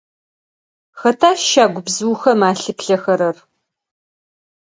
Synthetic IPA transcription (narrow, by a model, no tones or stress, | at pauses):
xɐtʰaːʃaːɡʷʊbzɨwxɐmaːɬɨpɬɐxɐɾɐr